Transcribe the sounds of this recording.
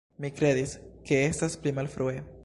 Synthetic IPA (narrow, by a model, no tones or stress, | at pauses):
mikɾe̞d̪iske̞e̞stasplimalfɾue̞